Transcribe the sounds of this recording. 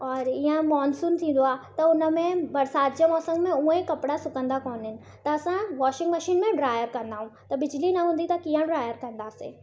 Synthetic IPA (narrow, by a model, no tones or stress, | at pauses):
ɔːɾiə̃mɔːnsuːnt̪ʰĩːnd̪oaːt̪ɐʊnə̆mẽbɐɾsaːt̪̚d͡ʑemɔːsə̃ŋɡmẽuẽkɐpɽasʊkə̃nd̪akɔːnɦɪnɪ̆t̪ɐɐsãʋaːʃɪ̃ŋɡməʃiːnmẽɖɾaːjəɾkɐ̃n̆d̪aːɦũt̪ɐbɪd͡ʑlinɐɦũːnd̪it̪ɐkiːə̃ɖɾaːjəɾkɐ̃nd̪aːsḛː